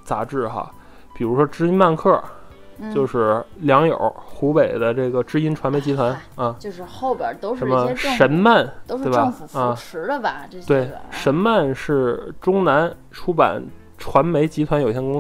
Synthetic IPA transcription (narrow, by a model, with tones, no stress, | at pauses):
t͡sa̰˧˥ʈ͡ʂɻ̩˥˩xa̰˧ | pi˨˩ɻu˧˥ʂwɔ˥ʈ͡ʂɻ̩˥i˥nma˥˧nkʰɤ˥˩ | t͡ɕjo˥˧ʊʂɻ̩˥˩ljɑ˧˥ŋjə̰˞˨˩˥xu˧˥pe˨˩ɪd̪ə˦ʈ͡ʂɤ˥˩ɡə˩ʈ͡ʂɻ̩˥i˥nʈ͡ʂʰwa˧˥nme˧˥t͡ɕi˧˥t̪ʰwa˧˥nɐ˥˧t͡ɕjo˥˧ʊʂɻ̩˥˧xo˥˩ʊjə̰˨˩˥t̪o˥ʊʂə˧˥nmə˧˥ʂə˧˥nma˥˩nt̪o˥e˥˩ɪba˧˩˧u˨˩˥ʂɻ̩˧˥d̪ə˧bɐ˧˥˧t̪we˥˩ɪʂə˧˥nma˥˧nʂɻ̩˥˩ʈ͡ʂʊ˥ŋna˧˥n | ʈ͡ʂʰu˥pa̰˨˩n | ʈ͡ʂʰwa˧˥nme˧˥ɪt͡ɕi˧˥t̪ʰwa˧˥njo˨˩ʊi˧ɕjɛ˥˧kʊ˥ŋ